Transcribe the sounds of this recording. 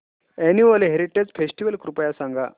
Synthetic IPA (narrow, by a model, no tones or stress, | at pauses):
eniʋəleɦeɾiʈed͡zfesʈiʋəlkɾupəjasaŋɡʱa̰